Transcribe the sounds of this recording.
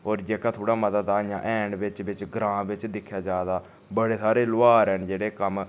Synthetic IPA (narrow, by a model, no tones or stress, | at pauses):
oːɾd͡ʒeːkãːt̪ʰoːɽaːməd̪əd̪aːjãːʔɛːɳɖʋɪt͡ʃʋɪt͡ʃɡɾãːʋɪt͡ʃd̪ɪkʰːjaːd͡ʒaːd̪aː | bəɽeːsaːɾeːlʊaːɾɛːnd͡ʒeːɽeːkəm